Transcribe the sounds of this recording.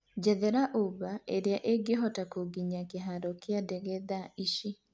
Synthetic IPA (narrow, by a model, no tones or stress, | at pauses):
d͡ʒɛðɛɾaʔuβaeɾeaʔeɡeɦɔtakoɡiɲakeɦaɾɔkeadɛɣɛðaiʃi